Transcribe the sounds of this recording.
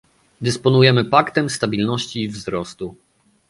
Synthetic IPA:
d̪ɘspɔnujɛmɘpakt̪ɛmst̪abʲilnɔɕt͡ɕiːvzɾɔst̪u

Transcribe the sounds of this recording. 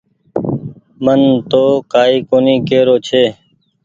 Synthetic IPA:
mənt̪oːkaːiːkoːniːkeːɾoːt͡ʃʰeː

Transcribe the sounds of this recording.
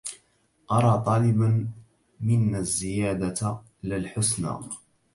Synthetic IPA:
ʔɑɾˤɑːt̪ˤɑːlɪban | mɪnːazːɪjaːd̪a | lɪlħʊsna̰ː

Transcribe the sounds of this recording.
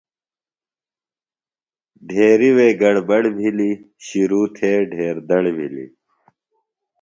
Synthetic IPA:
ɖʱeːɾiweːɡɐɽbɐɽbʱili | ɕiɾuːt̪ʰeːɖʱeːɾd̪ɐɽbʱḭlḭ

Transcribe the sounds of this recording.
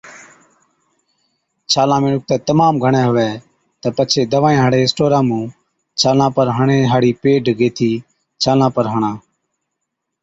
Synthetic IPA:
t͡ʃʰaːlãːmẽːnʊk̚t̪ɛːt̪əmaːmɡʱəɳ̃ɛ̃ːɦʊʋɛː | t̪əpət͡ʃʰeːd̪əʋãːẽːɦaːɽeːɪsʈoːɾãːmũː | t͡ʃʰaːlãːpəɾɦəɳẽːɦaːɽiːpeːɖɡeːt̪ʰiː | t͡ʃʰaːlãːpəɾɦəɳãː

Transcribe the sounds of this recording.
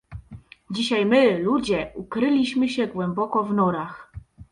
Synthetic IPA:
d͡ʑiɕajmɘlud͡ʑɛukɾɘlʲiɕmɘɕɛɡwɛmbɔkɔvnɔɾax

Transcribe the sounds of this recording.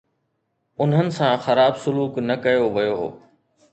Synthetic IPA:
ʊn̤ɦənɪ̆sãxɐɾaːbsʊluːknɐkɐjoʋɐjo̰

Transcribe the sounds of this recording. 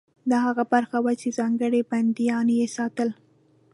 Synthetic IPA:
d̪ɑhaɣabaɾxawat͡ʃezɑŋɡəɽeband̪ijɑnjesɑt̪əl

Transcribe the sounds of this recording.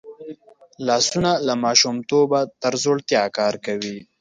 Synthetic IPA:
lɑsunalamɑʃumt̪obat̪əɾzoɽt̪jɑkɑɾkawi

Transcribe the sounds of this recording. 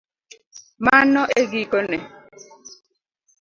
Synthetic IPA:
manːɔʔeɡikɔnɛ

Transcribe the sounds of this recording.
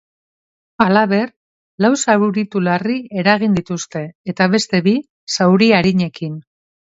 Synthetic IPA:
alaβe̞r | lawsaɾuɾit̪ularie̞ɾaɣind̪it̪ust̪e̞ːt̪aβe̞st̪e̞βi | sawɾiaɾiɲe̞kin

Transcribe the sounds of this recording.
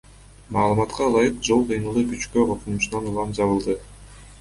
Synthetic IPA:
mɑːlˠɯmɑt̪qʰɑːlˠɑjɯqd͡ʒo̞lˠqʰɯjnɯlˠd̪ɯpyt͡ʃkøqʰoqunuʃunɑnulˠɑmd͡ʒɑβɯlˠd̪ɯ

